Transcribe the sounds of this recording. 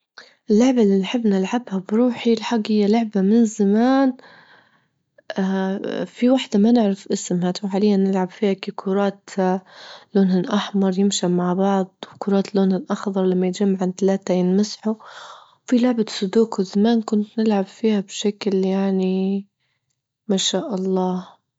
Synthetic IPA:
ʔɪlːʊʕbalːinħɪbːnɪlʕabhabɾuːħilħaɡːhɪjːalʊʕbamɪnzamaːn | ʔafiwaħd̪amanɪʕɾafʔɪsmhat̪wħaːlɪjːanːɪlʕabfiːhakikʰʊɾˤɑːt̪ | loːnhɪnʔɑħmɑɾˤjɪmʃamaʕbɑʕd̪ˤwkʊɾˤɑːt̪loːnhɪnʔɑxðˤɑɾˤlamːajɪt̪̚d͡ʒamːaʕɪnt̪alaːt̪ajɪnmɪsħu | wfilʊʕbasʊd̪uːkwɪzamaːnkʊnt̪nɪlʕabfiːhabʃakljaʕni | maːʃaːʔɑlˤːɑːh

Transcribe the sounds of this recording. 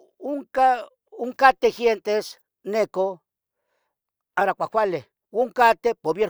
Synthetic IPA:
oŋka | oŋkat̪exjent̪es | neko | aɾakʷakʷale | oŋkat̪epoβjeɾ

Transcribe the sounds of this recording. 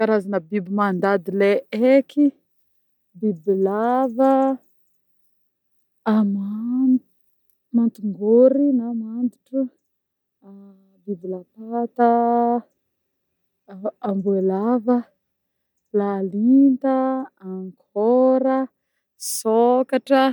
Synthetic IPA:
kaɾazanəbibimand̪ad̪ileeki | bibilavə | ama | mant̪uŋɡoɾinamand̪uʈ͡ʂu | bibilapat̪ə | mbuelavə | lalint̪aaŋkʰoɾə | sokaʈ͡ʂə

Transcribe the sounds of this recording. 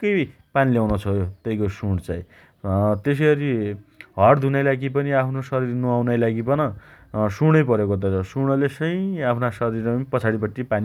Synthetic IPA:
kʌj | paniljawnot͡sʰʌjot̪ʌij̃kosuɽ̃t͡saĩ | t̪es̬ʌjʌɾiɦʌɽd̪ʱunʌjlaɡip̬ʌniapʰnosʌɾiɾnuawnʌjlaɡibʌnʌsuɽ̃ʌjpʌɾekot̪̬ʌt͡sʌsuɽ̃ʌlesʌj̃apʰnasʌɾiɾʌpʌt͡sʰaɽipʌʈːipani

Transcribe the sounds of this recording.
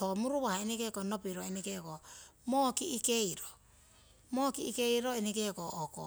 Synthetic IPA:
omuɾuβahaenikekonopiɾoenikekomokiːkejɾo | mokiːkejɾoenikekoːko̰

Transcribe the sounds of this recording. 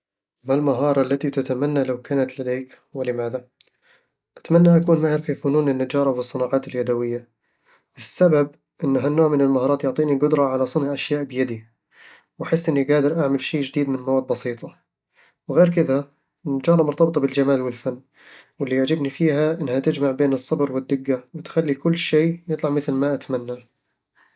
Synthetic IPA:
malmaɦɑːɾˤɑlːat̪it̪at̪amanːalawkaːnat̪lad̪eːk | wɪlɪmaːða | ʔat̪manːaʔakuːnmahɪɾfifʊnuːnɪnːad͡ʒɑːɾˤɑwɨsˤːɨnɑːʕɑːt̪ɪljad̪awɪjːa | wɪsːabab | ʔɪnːɦanːoːʕmɪnɪlmahɑːɾˤɑːt̪jʊʕt̪ˤiːniɡʊd̪ɾˤɑʕalasˤɨnʕaʔaʃjaːʔbɪjad̪i | wʔaħɪsːʔɪnːiɡaːd̪ɪɾˤʔaʕmalʃeːd͡ʒɪd̪iːd̪mɪnmawaːd̪̚bɑsˤiːt̪ˤɑ | wɣeːɾkɪða | ɪnːad͡ʒɑːɾˤɑmʊɾt̪ɑbt̪ˤɑbɪld͡ʒamaːlwɪlfanː | wɪlːijaʕd͡ʒɪbnifiːɦaʔɪnːhat̪ɪd͡ʒmaʕbeːnɨsˤːɑbɾwɪd̪ːɪɡːawɪt̪xalːikʊlːʃeːjɨt̪ˤlɑʕmɪθlmaʔat̪manːa

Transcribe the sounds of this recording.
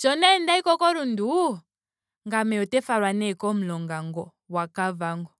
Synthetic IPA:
t͡ʃɔnɛndaikɔkɔɾundu | ŋɡamɛɔtɛfaɾwanɛkɔm̩lɔŋɡaŋɡɔ | wakavaŋɡɔ

